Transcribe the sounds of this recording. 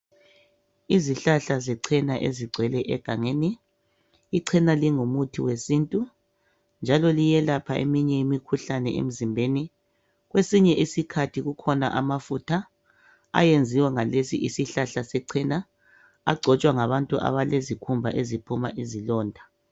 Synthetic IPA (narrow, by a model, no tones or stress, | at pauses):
iziɬaɬazɛǀʰɛnaʔeziɡ͡ǀʱwɛlɛʔɛɡ̥ʱaŋeniː | ǀʰɛnaliŋumutʰiwesiːntʼu | nd͡ʒʱalɔlijɛlapʰaʔḛmiɲɛimikʰuɬanɛḛm̩zimbʱeni | ɣwesiɲɛʔisikʰatʰiɣukʰɔna̰ʔamafutʰa | a̰jend͡zʱiwɛŋalesḭʔisiɬaɬasɛǀʰɛna | a̰ɡ͡ǀʱɔt͡ʃʼwaŋaβantʼuʔa̰βalezikʰumbʱaʔezipʰuma̰ʔizilɔːndʱa